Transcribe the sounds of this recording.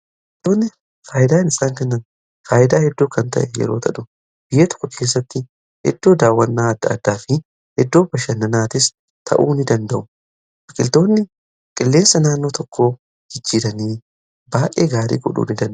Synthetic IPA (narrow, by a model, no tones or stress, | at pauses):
ɐɐkʼɪlt̪o̞ːnːɪ | faːjɪd̪aːnɪsaːŋkɐnːɐn | faːʔɪd̪aːhɛd̪ːoːkɐnt̪ɐ̰ʔɛjɛ̰ɾo̞ːt̪ʰɐᶑʊ | b̥ɪjːɐt̪ɔ̥kːʊkʰe̞ːs̬ːɐt̪ːɪ | hɛ̰d̪ːo̞ːd̪aːwːɐnːaːɐd̪ːɐ̰ːd̪ːaːfɪ | hɛd̪ːo̞ːbɐʃɐnːɐnaːt̪ɪs | t̪ʰɐ̰ʔuːnɪd̪ɐnd̪ɐʔʊ | fɐkʼɪlt̪o̞ːnːɪ | kʼɪlːe̞ːnsːɐnaːnːo̞ːt̪ʰɔkʰːo̞ː | d͡ʒɪd͡ʒːiːɾɐniː | baːʔʼeːɡaːɾḭːɡɔᶑṵːnɪd̪ɐnʔ